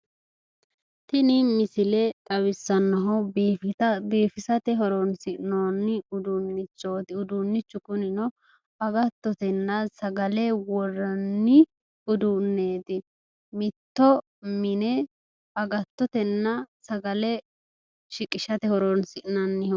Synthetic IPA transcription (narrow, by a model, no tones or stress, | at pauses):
t̪ɪnɪmɪsɪlɛt̪ʼɐwɪsːɐnːɐɦɔ | beːfɪsɐt̪ɛɦɔɾɔnsɪʔnoːnːɪʊd̪ʊnːɪt͡ʃːoːt̪ɪʊd̪ʊnːɪt͡ʃːʊkʊnɪnɔ | ɐɡɐt̪ːɔt̪ɛnːɐsɐɡɐlɛwɔrːɐnːɪ | ʊd̪ʊnːe̞ːt̪ɪ | mɪt̪ːɔ | mɪnɛ | ɐɡɐt̪ːɔt̪ɛnːɐsɐɡɐlɛ | ʃɪkʼɪʃɐt̪ɛhɔɾɔnsɪʔnɐnːɪh